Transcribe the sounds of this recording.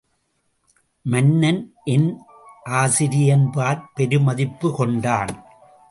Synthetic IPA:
mɐnːɐnʔɛn | ʔaːsɪɾɪjɐnpaːɾpɛɾɯmɐðɪpːɯkɔɳɖaːn

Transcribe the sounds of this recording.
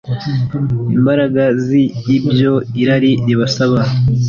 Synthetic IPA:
imbaɾaɡaziːbjo̞iɾaɾiniβasaβa

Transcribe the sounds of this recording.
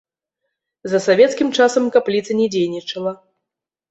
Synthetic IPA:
zɐsavʲɛt̪skʲimt͡ʂasɐmkaplʲit̪sɐnʲɛd͡zʲejnʲit͡ʂɐlˠɐ

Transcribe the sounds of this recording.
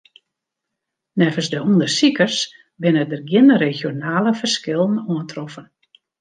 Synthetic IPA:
nɛvəsdəundərsikərs | bɪnədərɡjɪnəɾexjonaːləfərskɪlˠən̩uəntrɔfən

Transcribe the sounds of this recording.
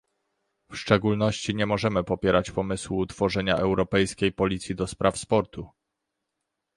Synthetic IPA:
fʂt͡ʂɛɡulnɔɕt͡ɕiɲɛmɔʐɛmɘpɔpʲjɛɾat͡ɕpɔmɘswut̪fɔʐɛɲaʔɛwɾɔpɛjskʲejpɔlʲit̪sʲjid̪ɔspɾʔafspɔɾt̪u

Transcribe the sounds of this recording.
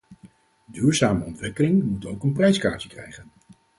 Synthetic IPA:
dyːɹzaːməɔntʋɪkəlɪŋmutowkənprɛjska̰ːɹəkrɛ̰jχən

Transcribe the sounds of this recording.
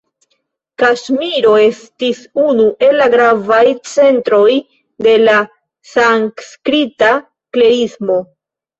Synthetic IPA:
kaʃmiɾo̞e̞stisunuʔe̞lːaɡɾavajt͡se̞ntɾo̞j | de̞la | saŋkskɾita | kleismo̞

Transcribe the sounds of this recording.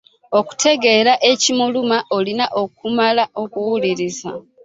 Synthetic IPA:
o̞ku̥tʰe̞ɡe̞ɾaʔecimulumaʔolinaʔo̞k̚umalaʔo̞kuwuliɾiza̰

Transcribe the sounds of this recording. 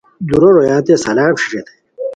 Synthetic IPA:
d̪uɾoɾojaːt̪esɐlaːpɕi̥ʈ͡ʂet̪ʰe̥

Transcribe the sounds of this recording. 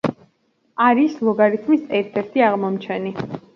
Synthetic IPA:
aɾislˠɔɡaɾit̪ʰmisɛɾt̪ʰɛɾt̪ʰiaʁmɔmt͡ʃʰɛni

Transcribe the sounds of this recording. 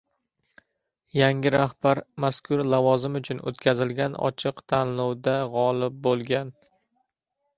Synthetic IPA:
jaŋʲɪɾahb̥aɾmaskʰʊɾlavɒzɪmʊt͡ʃʰʊno̰t̪kʲʰazɪlɡʲanɒ̰t͡ʃʰɪqt̪ʰanlˠɒwd̪aʁɒlɪp̚bolˠɡʲan

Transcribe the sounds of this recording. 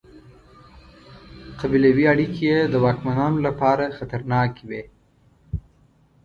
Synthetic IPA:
qabilawiaɽikijed̪əwɑkmanɑnolapɑɾaxat̪aɾnɑkiwe

